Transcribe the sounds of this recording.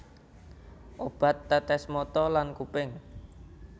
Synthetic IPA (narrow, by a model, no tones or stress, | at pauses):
ʔob̥a̤t̪ːɛt̪ɛsmɔt̪ɔlankupɪŋ